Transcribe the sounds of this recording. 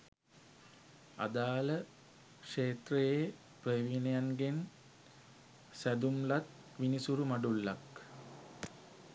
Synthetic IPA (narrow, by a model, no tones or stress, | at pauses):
a̰d̪aːlə | kʂeːt̪reje | prəʋinejanɡen | sæd̪umlat̪̚ | ʋinisuɾumaɖulːak